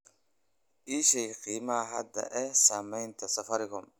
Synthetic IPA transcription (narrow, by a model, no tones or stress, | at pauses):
ʔiːʃɛjqiːmɐɦɐ̰d̪ɐ̰ʔɛsaːmɛjnt̪ʰɐsɐfɐɾɪɣɔm